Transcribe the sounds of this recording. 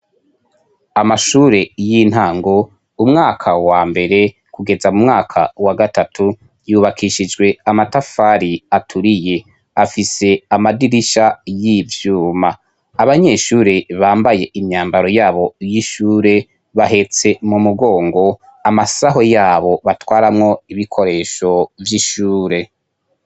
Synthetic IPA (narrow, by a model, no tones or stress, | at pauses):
amaʃuːɾe̞jin̥haːŋɡo̞ | umŋaːkʰawaːmbe̞ɾe̞ | kuɡe̞zamumŋaːkʰa̰waɡatatʰu | juːβakʰiʃid͡ʒɡwe̞amatafaɾiatʰuɾije̞ | afise̞amadiɾiʃajivjuːma | aβaɲe̞ʃuːɾeβaːmbaje̞ʔimɲaːmbaɾo̞jaːβo̞jiʃuːɾe̞ | βaɦe̞t͡se̞mumuɡo̞ːŋɡo̞ | amasaɦo̞jaːβo̞βatwaːɾamŋo̞iβikʰo̞ɾe̞ːʃo̞vjiʃuːɾe̞